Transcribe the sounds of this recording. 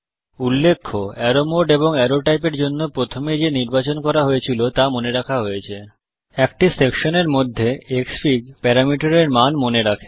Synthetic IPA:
ulːekʰːoɛɾomoɖeboŋɛɾoʈajpeɾd͡ʑonːopɾot̪ʰomed͡ʑeniɾbat͡ɕonkɔɾaɦojet͡ɕʰilot̪amoneɾakʰaɦojet͡ɕʰe | ɛkʈisekʃoneɾmod̪ʱːeeksfiɡpɛɾamiʈaɾeɾmanmoneɾakʰe̥

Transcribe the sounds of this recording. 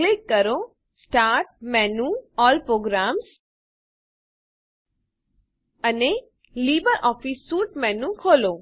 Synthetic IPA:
klikːəɾo | sʈaɾʈ̚mɛnuɔlpɾoɡɾams | əne | libəɾʔɔfisːuːʈmɛnũkʰolo

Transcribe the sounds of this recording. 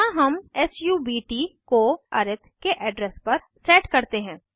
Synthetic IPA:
ãɦɐmɛːsjuːbiːʈikoɐɾɪt̪ʰkeʔɛːɖɾɛːspɐɾ | seːʈkɐɾt̪eɦɛ̃ː

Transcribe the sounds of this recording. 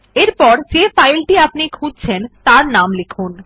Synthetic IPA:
eɾpɔɾd͡ʑefajlʈiapnikʰud͡ʑt͡ɕʰent̪aɾnamlekʰun

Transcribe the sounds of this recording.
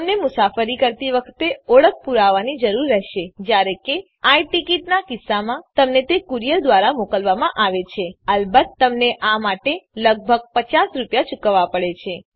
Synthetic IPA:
mnemʊsafəɾikəɾt̪iʋəkʰt̪eɔɭək̚ʰpuɾaʋanid͡ʒəɾuɾːɛɦʃed͡ʒjaɾeke | ajʈikiʈnakɪsːamãt̪əmnet̪ekuɾijəɾd̪ʋaɾamokəlʋamãʔaʋet͡ʃʰeəlbət̪ːəmneʔamaʈeləɡ̚bʱəɡ̚pət͡ʃasɾupjat͡ʃukəʋapəɭet͡ʃʰe

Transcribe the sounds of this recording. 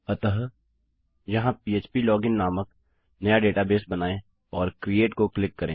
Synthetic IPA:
ɐt̪əɦ | jɐɦãpiːeːt͡ʃpilɔːɡɪnːaːmək | nɐjaɖeːʈabeːsbɐnaːẽ | ɔːɾkɾieːʈkoklɪkːɐɾẽː

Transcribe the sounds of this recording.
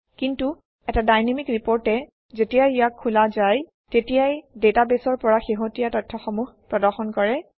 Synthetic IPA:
kintu | ɛtadajnemikɹipɔɹtɛ | zetijaijakʰːulazaj | tetijajdetabesɔɹpɔɹaxeɦotijatɔtʰːɔxɔmuxpɹɔdɔɹxɔnkɔɹɛ

